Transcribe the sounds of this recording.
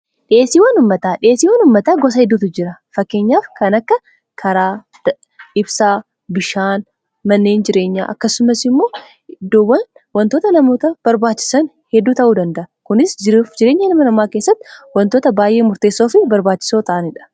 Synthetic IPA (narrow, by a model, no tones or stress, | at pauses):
ᶑɪeːsːiːwɐnʊmːɐt̪aːᶑɪeːsːiːwɐnʊmːɐt̪aːɡɔs̬ɐhɛd̪ːuːt̪ʊd͡ʒɪɾɐfɐkːe̞ːɲːaːfkɐnɐkːɐ | kʰɐɾaː | d̪ɐ | ɪbsaː | bɪʃaːn | mɐnːeːnd͡ʒɪɾe̞ːɲːa̰ːʔɐkːɐsːʊmɐsɪmːo̞ː | d̪ːoːwːɐn | wɐnt̪o̞ːt̪ɐnɐmo̞ːt̪ɐb̥ɐɾbaːt͡ʃːɪ̥sɐn | hɛd̪ːuːt̪ɐʔuːd̪ɐnd̪ɐʔɐkʊnɪsd͡ʒɪɾfd͡ʒɪɾeːɲːɐnɐmɐnɐmaːke̞ːsːɐt̪ːɪwɐnt̪o̞ːt̪ɐbaːjʔe̞ːmʊɾt̪eːsːoːfɪbɐɾbaːt͡ʃːɪ̥so̞ːt̪ɐʔɐnɪᶑɐ̥